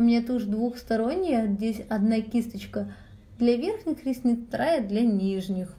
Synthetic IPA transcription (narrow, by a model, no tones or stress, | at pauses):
ʊmʲnʲet̪uʐd̪vuxst̪ɐɾo̞nʲːɪjəzʲdʲesʲɐd̪nakʲist̪ət͡ɕkə | d̪lʲavʲe̞rxnʲɪxɾʲɪsʲnʲɪt̪ɾajəd̪lʲanʲiʐnʲɪx